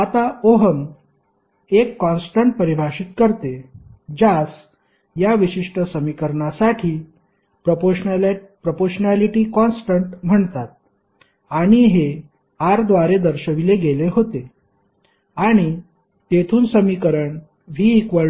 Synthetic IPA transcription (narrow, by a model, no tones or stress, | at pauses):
at̪aoɦəŋɡ | ekːɔnsʈəɳʈpəɾibʱaɕit̪̚kəɾt̪ed͡ʑas | jaʋiɕiʂʈəsəmikəɾɳasaʈʰiː | pɾopopɾopoɾɕənaliʈiːkɔnsʈəɳʈm̤əɳt̪at̪̚ | aɽ̃iɦe | aɾd̪ʋaɾed̪əɾɕəʋileɡeleɦot̪e | aɽ̃i | t̪et̪ʰuːnsəmikəɾəɳ | ʋ̤iːkʋə